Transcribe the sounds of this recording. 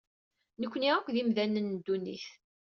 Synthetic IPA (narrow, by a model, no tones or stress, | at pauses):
nəkʷːniʁækʷðimðænːənːd̪ːunːḭθ